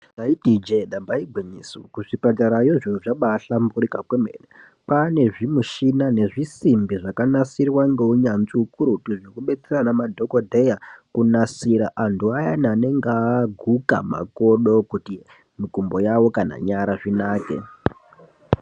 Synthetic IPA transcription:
aitid͡ʒeɗambaiɡʱwiɲisukuʐipataɾajoʐinuʐaɓaɬamburikakwemḛːne | pane̞ʐimuʃinane̞ʐisimbiʐakanasirwaŋɡe̞uɲanziukuɾutuʐokuɓe̞t͡seranamadʱo̞kodʱejakunasiɾaʔantuajanane̞ŋɡaɡʱuka̰ma̰ko̞ɗo̞kuti | mikumbo̞jawo̞kana̰ɲaɾaʐinaːke̞̰

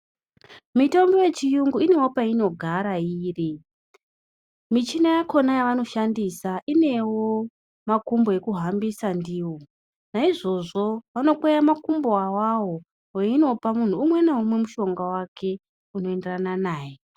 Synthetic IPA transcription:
mito̞mbo̞je̞t͡ʃijuŋɡuine̞wo̞paino̞ɡʱaɾaiːri | mit͡ʃinajako̞najaʋano̞ʃandisaʔine̞wo̞ | makumbo̞e̞kuɦambisandiːwo̞ | naiʐo̞ʐo̞ʋano̞kwejamakumboawawo̞ | weino̞pamun̤uːmwe̞naumwe̞muʃo̞ŋɡawakʰe̞ | uno̞e̞nderananaːje

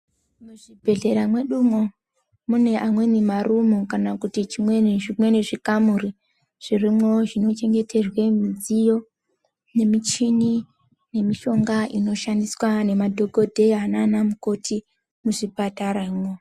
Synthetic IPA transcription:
muʐibʱe̞ɮe̞ɾamwe̞ɗumo | mune̞ʔamwe̞nimarʔumukanakutit͡ʃimwenʐimwe̞neʐikamuri | ʐ̥irimwo̞ʐino̞t͡ʃe̞ŋɡe̞tʰe̞rwe̞mid͡zijo̞ | ne̞mit͡ʃini | ne̞miʃo̞ŋɡaino̞ʃandiswane̞madʱo̞ɡʱo̞dʱe̞ananamuko̞tʰi | muʐipataɾamo

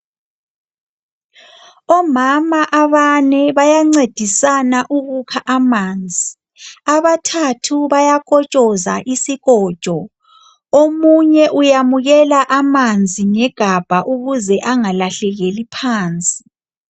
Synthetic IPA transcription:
ɔmamaʔaβanɛβajaŋ͡ǀed̥ʱisanaʔuɣukʰaʔamaːnd͡zʱi | aβatʰatʰuβajakʼɔt͡ʃʼɔzaʔisiɣɔːd̥ʒ̥ʼʱɔ | omuɲɛʔujamuɣɛlaʔamand͡zʱiŋɛɡ̥ʱab̥ʱaʔuɣuzɛʔaŋalaɬɛɣelipʰaːnt͡sʼi̥

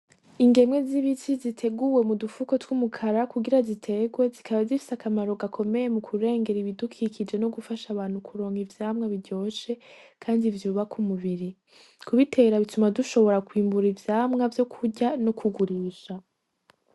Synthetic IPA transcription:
iŋɡe̞mŋe̞ziβit͡ʃizitʰe̞ɡuwe̞mudufuko̞twumukʰaɾakuɡiɾazitʰe̞ɡwe̞zikaβazifi̥sakamaɾo̞ɡakʰo̞me̞je̞mukʰuɾe̞ːŋɡe̞ɾiβidukʰiːkid͡ʒe̞no̞ɡufaʃaβaːn̥hukʰuɾo̞ːŋivjaːmŋaβiɾɟo̞ːʃe̞kʰaːndivjuːβakʰumuβiɾi | kʰuβitʰe̞ɾaβitumaduʃo̞βo̞ɾakwiːmbuɾivjaːmŋavjo̞kʰuɟano̞kʰuɡuɾiːʃa

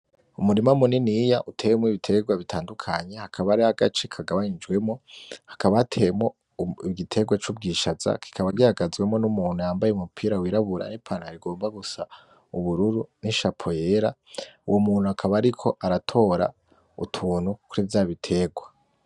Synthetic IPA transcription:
umuɾimamuninijaʔutʰeːwemwoiβitʰe̞ɡwaβitʰaːndukʰaɲe̞hakʰaβaɾiaɡa̰t͡ʃekʰaɡaβaɲid͡ʒɡwe̞mo̞hḁkaβaːtʰe̞jemo | iɡitʰe̞ɡwat͡ʃub̚ɡiːʃaza̰ki̥kʰaβaɡiaɡazɡwe̞mo̞numuːnhujaːmbajeumupʰiːɾawiːɾaβuɾa̰nipʰaːnaɾiɡo̞ːmbaɡusa | uβuɾuɾuniʃapʰo̞jeɾaṵwʔo̞muːn̥huakʰaβaːɾikʰo̞ʔaɾatʰo̞ɾa̰ | ṵtʰuːn̥hukuɾivjaːβitʰe̞ːɡwa

